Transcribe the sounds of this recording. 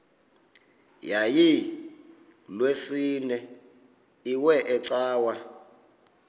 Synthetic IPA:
jaji | lwesinɛ | iwɛʔɛt͡saːwa

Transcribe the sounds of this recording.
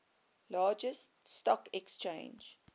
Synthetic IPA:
lɑːd͡ʒəststɔkɛkst͡ʃḛ̃ːnd͡ʒ

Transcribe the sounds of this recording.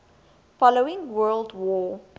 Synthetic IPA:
fɔloɪ̃ŋwɜːldwɔ

